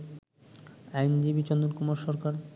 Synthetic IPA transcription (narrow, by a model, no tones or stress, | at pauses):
ajnd͡ʑibit͡ɕɔnd̪uɾkumaɾʃɔɾkaɾ